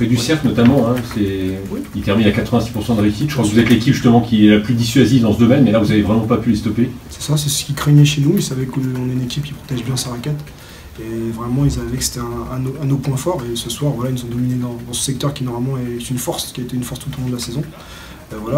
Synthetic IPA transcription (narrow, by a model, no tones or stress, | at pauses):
fɛd̪ysɛʁklnɔt̪amɑ̃ɛ̃sɛwiilt̪ɛʁmiakat̪χəvɛ̃si̥puʁsɑ̃d̪əʁeysit̪ʒəkʰwakvuzɛt̪lekʲipʒyst̪əmɑ̃kʲiɛlaplyd̪isɥazivd̪ɑ̃səd̪ɔmɛnmɛlavuzavevʁɛmɑ̃papylest̪ɔpesɛ̥sasɛsə̥kʲikχeɲɛʃenuilsavɛkəɔ̃nɛynekʲipkʲi̥pχɔ̥t̪ɛʒbjɛ̃saʁakʲɛt̪ | evʁɛmɑ̃ilsavɛkə̥se̥t̪ɛɛ̃ːnoɛ̃nopwɛ̃fɔʁesəswaʁvwalailnuzɔ̃d̪ɔmined̪ɑ̃d̪ɑ̃sə̥sɛk̚t̪œʁkʲinɔʁmalmɑ̃ɛsɛt̪ynfɔʁskʲiaet̪eynfɔʁst̪ːut̪olɔ̃d̪əlasɛzɔ̃ | vwala